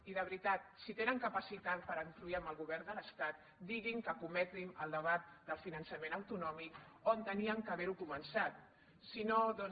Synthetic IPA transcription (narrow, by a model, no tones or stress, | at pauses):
iðəβɾit̪at̪̚sit̪enəŋkəpəsit̪at̪̚pəɾəŋk̪ɾuiəmbəlˠɣuβɛɾnd̪ələst̪at̪̚ | d̪iɣiŋkəkumɛt̪ɾiməlˠd̪əβat̪̚d̪əlˠfinənsəmenəwt̪unɔmikont̪əniəŋkəβɛɾukumənsat̪̚ | sinoðɔn